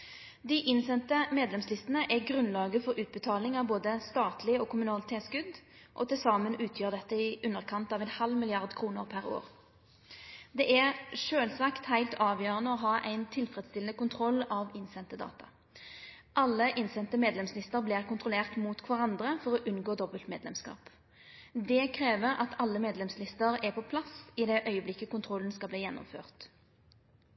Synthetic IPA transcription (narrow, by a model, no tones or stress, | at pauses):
d̪ɪʔɪnsɛnt̪əmeːd̪lɛmslɪst̪ənəʔæɡʁʉnlɑːɡəfɔʁʉːt̪̚bət̪ʰɑːlɪŋɑʋboːd̪əst̪ɑːt̪ʰlɪɔːkʰʊmʉnɑlɪt̪ʰeːt̪skʉd̪ʔɔ̰t̪ɪsɑːmənʉːt̪ʰjøːʁd̪ɛt̪ːəɪʔʉnːəʁkʰɑnt̪ɑːʋɛnhɑlmɪlɪɑʁd̪kʰʁuːnəʁpʰæʁo̰ːʁ | d̪ɛːʔæʁʂøːlsɑkt̪hæɪlt̪ʰɑːʋjøːʁənəɔɦɑːʔæɪnt̪ʰɪlfʁɛd̪st̪ɪlənəkʊnt̪ʰʁɔlːɑʋɪnsɛnt̪əd̪ɑ̰ːt̪ɑ̰ | ʔɑlːəʔɪnsɛnt̪əmeːd̪lɛmslɪst̪əʁblɪʁkʊnt̪ʁʊleːʁt̪muːt̪kʰʋɑʁɑnd̪ʁəfɔʁɔʔʉnɡoːd̪ɔbəlt̪mḛːd̪lɛmskɑ̰ːp | d̪ɛkʰʁeːʋəʁɑ̰t̪ʰɑlːəmeːd̪lɛmslɪst̪əʁæʁpʰɔpʰlɑsɪd̪ɛʔœʏəblɪkːəkʊnt̪ʰʁɔln̩skɑlbliːjɛnːɔ̰mfø̰ːʁt̪